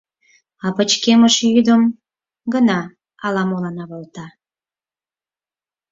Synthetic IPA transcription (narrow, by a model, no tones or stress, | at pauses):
ɑpət͡ɕkeməʃjyd̪əm | ɡənɑ | ɑlɑmolɑnɑβəlt̪ɑ